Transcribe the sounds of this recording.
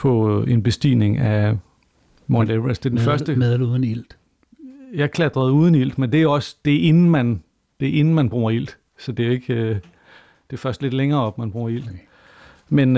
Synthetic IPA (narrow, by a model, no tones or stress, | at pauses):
pʰɒ̽e̝nb̥e̝sd̥ḭːne̝ŋæ | mɒnd̥eʋesd̥e̝ɐd̥enfɶɐsd̥əmeðˠluðˠn̩il̰d̥ | jɑ̈ɪkʰlæd̥ʁɐð̞̩ˠuð̞ˠn̩il̰d̥mend̥e̝ɒ̽sd̥e̝e̝nn̩mæn | d̥e̝ʔe̝nn̩mænb̥ʁṵːɐil̰d̥ | sɒ̽d̥e̝oe̝ɡ̥ø | d̥e̝fɶɐsd̥le̝d̥leŋɐːɒ̽b̥mænb̥ʁuːɐil̰d̥ | men